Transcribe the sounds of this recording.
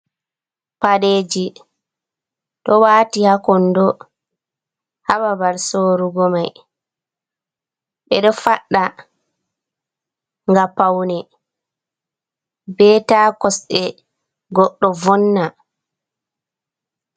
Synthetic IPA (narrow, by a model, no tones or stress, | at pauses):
paɗeːd͡ʒi | ɗɔwaːtihakɔndɔ | hababaɾsoɾuɡɔmaj | ɓɛɗɔfaɗːa | ŋɡapawnɛ | bɛːtaːkɔsɗɛ | ɡɔɗːɔvɔnːa